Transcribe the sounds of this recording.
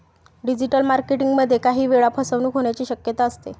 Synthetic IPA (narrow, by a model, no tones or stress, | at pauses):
ɖid͡ʑiʈəlmaɾkeʈiŋɡməd̪ʱːjekaɦiːʋeɭapʰəsəʋnuːkɦoɳjat͡ɕiːɕəkjət̪aəst̪ḛ